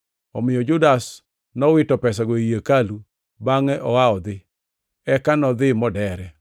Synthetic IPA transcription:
ɔmɪjɔd͡ʒʊdas | nɔwɪtɔpɛs̬aɡoijekalu | baŋɛʔɔwaɔd̪ɪ | ɛkanɔd̪ɪmɔdɛɾɛ

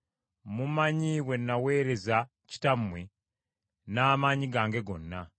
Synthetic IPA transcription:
mumaɲiwe̞nːawe̞ːɾe̞za | ci̥tamːwe | naːmaɲiɡaːŋɡe̞ɡo̞nːa

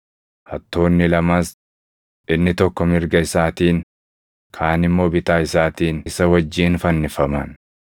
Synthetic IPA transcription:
hɐt̪ːo̞ːnːɪlɐmaːs | ʔɪnːɪt̪ɔkːɔmɪɾɡɐɪsaːt̪iːn | kʰaːnɪmːo̞ːbɪt̪aːɪsaːt̪iːnɪsɐwɐd͡ʒːiːnfɐnːɪfɐmɐn

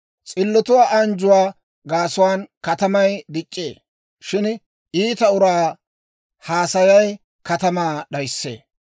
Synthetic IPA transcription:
t͡sʼɪlːɔt̪ʊwaːʔɐnd͡ʒʊwaː | ɡaːsʊwaːnkɐt̪ɐmɐjd̪ɪt͡ʃʼːḛː | ʃɪn | iːt̪ɐʊɾaː | haːsɐjɐj | kɐt̪ɐmaːɗɐjsːḛː

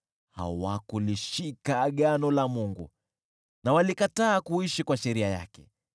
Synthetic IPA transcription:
ha̰wakuliʃikaɠanɔlamuŋɡṵ | nawalikataːkuiʃikwaʃɛɾiaja̰kɛ

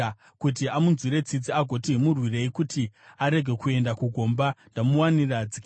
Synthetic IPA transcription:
kut̬iamunzwiɾe̞t͡sid͡ziaɡʱo̞timurwire̞ikutʰiaɾe̞ɡʱe̞kue̞ndakuɡʱo̞ːmbandamuwanirad͡zik

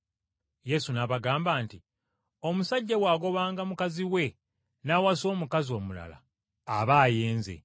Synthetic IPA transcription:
je̞sunaβaɡaːmbaːnti | o̞musaɟːawaːɡo̞βaːŋɡamukaziwe̞ | nawaso̞ːmukazio̞ːmula̰la̰ː | βaːjeːnze̞̰

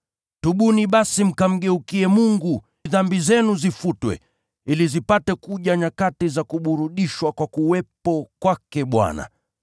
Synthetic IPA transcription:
tuɓuniɓasim̩kam̩ɠɛukiɛmuŋɡu | ðambizɛnuzifutwɛ̰ | ilizipatɛkuʄaɲakatizakuɓuɾuɗiʃwakwakuwɛpɔkwakɛɓwa̰na̰

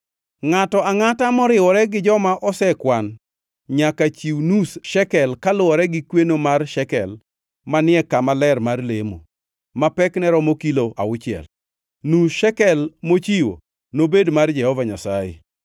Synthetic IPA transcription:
ŋatɔaŋatamɔɾɪwɔɾɛɡɪd͡ʒɔmaʔɔsɛkwan | ɲakat͡ʃiwnusʃɛkɛlkalʊɔɾɛɡɪkwenomarʃɛkɛl | manɪɛkamalɛrmarlemo̰ | mapɛknɛɾɔmokiloʔa̰ʊt͡ʃɪɛ̰l | nuʃɛkɛlmot͡ʃiwo̰ | nobedmard͡ʒɛhɔvaɲasajḛ

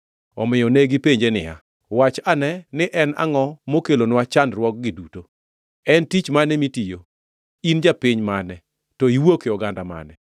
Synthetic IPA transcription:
ɔmɪjɔnɛɡɪpeɲd͡ʒenɪ̰ja̰ | wat͡ʃanɛnɪʔɛna̰ŋɔmokelonwat͡ʃandɾwɔk̚ɡɪduto | ɛntit͡ʃmanɛmitijo | ind͡ʒapiɲmanɛ | tɔiwokeɔɡandama̰nɛ

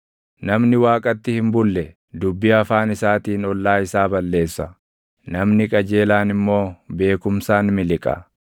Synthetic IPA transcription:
nɐmnɪwaːkʼɐt̪ːɪhɪmbʊlːɛ | d̪ʊbːɪɐfaːnɪsaːt̪iːnɔlːaːɪsaːbɐlːe̞ːsːɐ | nɐmnɪkʼɐd͡ʒe̞ːlaːnɪmːo̞ːbe̞ːkʊmsaːnmɪlɪkʼɐ̰

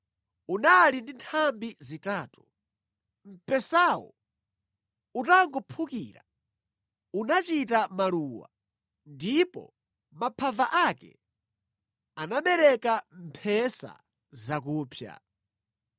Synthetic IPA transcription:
unalindintʰambizitaːtu̥ | m̩pɛsaːwɔ̰ | utaŋɡɔpʰukḭːɾa̰ | unat͡ʃitamaluːwa̰ | ndipɔ̰ | mapʰavaʔakɛ̰ | anaɓɛɾɛkam̩pʰɛsa̰ | zak̬uːpʰja̰

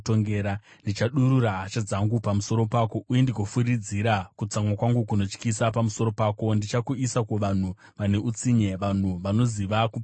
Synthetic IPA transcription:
toŋɡeːɾandit͡ʃaɗuɾuɾaɦat͡ʃad͡zaŋɡupamuso̞ɾo̞paːko̞ujendikofurid͡ziɾakut͡samwakwaŋɡukuno̞t͡ʃkisapamuso̞ɾo̞paːko̞ndit͡ʃakuisakuʋan̤u | ʋane̞ʔut͡siɲe̞ʋan̤uʋano̞ziʋaku

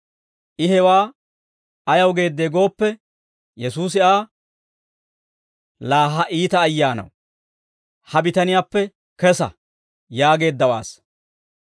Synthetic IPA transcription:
ʔɪɦɛwaː | ɐjɐwɡe̞ːd̪ːeːɡo̞ːpːɛ | jɛsuːs̬ɪaː | laːɦɐʔiːt̪ɐːjːaːnɐ̰w | hɐbɪt̪ɐnɪjaːpːɛ | kɛsɐ̰ | jaːɡe̞ːd̪ːɐwa̰ːs

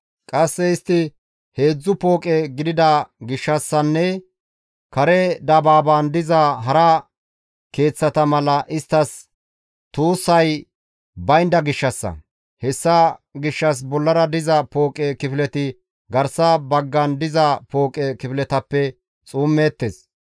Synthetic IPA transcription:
kʼɐsːɛɪst̪ːɪ | he̞ːd͡zːʊpo̞ːkʼɛɡɪd̪ɪd̪ɐɡɪʃːɐsːɐnːɛ | kɐɾɛd̪ɐbaːbaːnd̪ɪzɐɦɐɾɐ | ke̞ːt͡sːɐt̪ɐmɐlɐʔɪst̪ːɐs | t̪uːsːɐj | bɐjnd̪ɐɡɪʃːɐsːɐ̰ | hɛsːɐɡɪʃːɐs̬bɔlːɐɾɐd̪ɪzɐpo̞ːkʼɛkɪfɪlɛt̪ɪ | ɡɐɾsɐbɐɡːɐnd̪ɪzɐpo̞ːkʼɛkɪfɪlɛt̪ɐpːɛ | t͡sʼuːmːeːt̪ːeːs

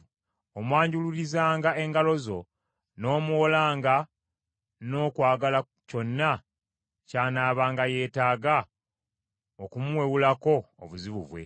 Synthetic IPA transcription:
omwaːɲɟululizaːŋɡae̞ŋɡalo̞zo̞ | no̞ːmuolaːŋɡa | no̞ːkwaːɡala | co̞nːa | caːnaːβaːŋɡaje̞ːtaːɡa | okumuwe̞wulako̞̰ːβuziβuβwe̞̰

